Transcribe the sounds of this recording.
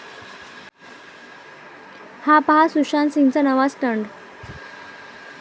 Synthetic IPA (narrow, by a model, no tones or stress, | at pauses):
hapaɦasuʂansĩŋɡt͡sanəʋasʈəɳɖ